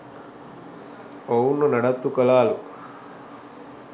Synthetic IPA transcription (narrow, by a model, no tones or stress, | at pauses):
owunːɐnɐɽɐt̪ːukɐlaːlu